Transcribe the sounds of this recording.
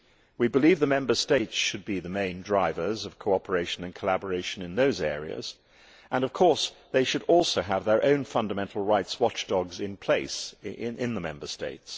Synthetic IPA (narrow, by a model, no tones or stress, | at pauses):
wibɨlivðəmɛ̃mbə˞steɪtsʃɨd̚biðɨmẽɪ̃ndɹaɪvə˞zʌv̥kʰoʊɑpə˞eɪʃɨ̃nɨ̃nkʰəlæbə˞eɪʃɨ̃nɨ̃nðoʊzɛ̰ɹḭɨ̰z̥ | ʔə̃nʌv̥kʰɔɹsðeɪʃɨɾɔlˠsoʊəvðə˞ʔõʊ̃nfʌ̃ndɨmɛ̃ntʰˡl̩ˠɹaɪtswɑt͡ʃd̥ɒɡzɨ̃npʰl̥eɪsʔɪ̃nðəmɛ̰̃mbə˞steɪts